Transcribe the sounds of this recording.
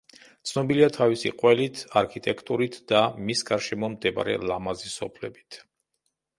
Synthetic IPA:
t̪sʰnɔbiliat̪ʰavisḭqʼwɛlit̪ʰaɾkʰit̪ʼɛkʰt̪ʼuɾit̪ʰd̪̥amisɡaɾʃɛmɔmd̪ɛba̰ɾɛ̰lˠamazisɔpʰlɛbit̪ʰ

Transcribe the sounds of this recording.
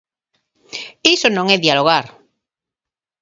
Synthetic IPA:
isonõŋeðjaloɣ̞aɾ

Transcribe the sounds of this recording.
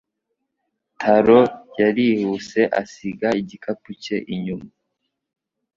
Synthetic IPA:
tʰaɾojaɾihuse̞ʔa̰siɡaiɟikʰapuceʔiɲumu

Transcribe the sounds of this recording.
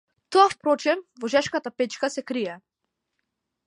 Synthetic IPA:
t̪oafpɾɔt͡ʃɛnvɔʒɛʃkat̪apɛt͡ʃkasɛkɾiɛ

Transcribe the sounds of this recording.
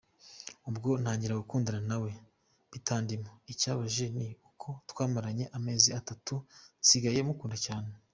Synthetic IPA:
ubɡo̞nhaːɲɟiɾaɡukuːndiɾanawe̞ | βitaːndimoicaːβaʒe̞niukʰo̞twaːmaɾaɲe̞ʔame̞ːziatatusiɡaje̞mukuːndacaːne

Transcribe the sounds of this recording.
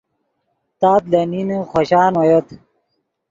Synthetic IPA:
t̪aːt̪lɐninxoɕaːnwojot̪

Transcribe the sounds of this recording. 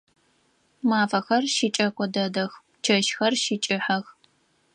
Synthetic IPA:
maːfɐxɐrʃit͡ʃʼɐkʷʼɔdɐdɐx | t͡ʃʰɐʃxɐrʃit͡ʃʼɪħɐx

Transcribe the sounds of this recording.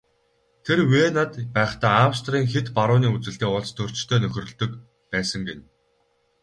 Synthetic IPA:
t̪ʰerweːnat̪pæːχt̪aːawst̪riːŋxet̪paɾʊːniːut͡sɘ̆ɬt̪eːʊɮt͡st̪ʰɵr̥t͡ɕt̪ʰœːnɵxʲɵ̆rɵ̆ɮt̪ɵ̆k | pæːsə̆ŋɡen

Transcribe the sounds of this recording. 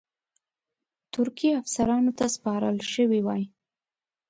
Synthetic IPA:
t̪ʊɾkiafsaɾɑnot̪aspɑɾəlʃəwiwɑj

